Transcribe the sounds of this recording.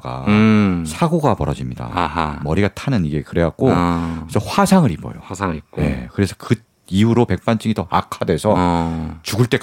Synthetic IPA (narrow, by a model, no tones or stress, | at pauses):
k͈a̰sʰaɡoɡapʌɾʌd͡ʑimɲida̰mʌɾiɡatʰanɯniɡe̞kɯɾe̞wak̚k͈oesʰʌɸwasʰaŋɯɾipʌ̰jo̰ŋ̚k͈e̞̰kɯɾe̞sʰʌkɯ | iuɾope̞k̚p͈ant͡ɕ͈iŋitʌakʰadwe̞sʰʌt͡ɕuɡɯɭt͈e̞k